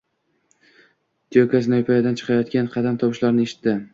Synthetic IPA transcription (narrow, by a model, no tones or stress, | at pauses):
d̪iokʲas̬ɪnajʊpʰajad̪ant͡ʃʰɨ̥qʰɑjɒt̪kʲanqʰɑd̪amt̪ʰɒwʃlaɾnɪeʃɪ̥t̪ːɪ